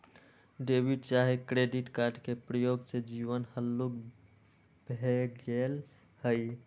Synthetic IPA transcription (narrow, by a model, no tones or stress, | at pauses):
ɖebiɖt͡ʃaɦekɾeɖiʈkaɾɖkepɾəjoɡsed͡ʒiʋənhəlːuk | bʱeɡel | həj